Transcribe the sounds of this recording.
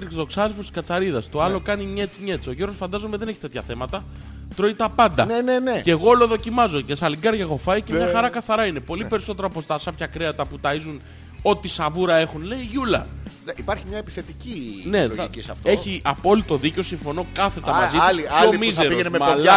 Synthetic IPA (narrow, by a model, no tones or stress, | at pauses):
ɾit̪oksɐðelfost̪i̥skɐt͡sɐɾiðɐst̪o̞ɐlo̞kɐniɲet͡siɲe̞t͡so̞ʝeɾɣosfɐnd̪ɐzo̞meðe̞ne̞çi̥t̪e̞t̪çɐθe̞mɐt̪ɐ | t̪ɾo̞it̪ɐpɐnd̪ɐ̰nenenece̞ɣo̞lo̞ðo̞cimɐzo̞ce̞sɐliɡɐɾʝɐɣo̞fɐjiceɲɐxɐɾɐkɐθɐɾɐine̞po̞lipe̞ɾiso̞t̪e̞ɾɐopost̪ɐsɐpçɐkɾeɐt̪ɐput̪ɐizun | o̞t̪isɐvuɾɐe̞xunle̞iʝulɐ̰ | ipɐɾçimɲɐepi̥θe̞t̪icine̞cisɐ̰ft̪eçiɐpo̞lit̪o̞ðiceo̞siɱfo̞no̞kɐθe̞ɐmɐzisomizeɾioenemepo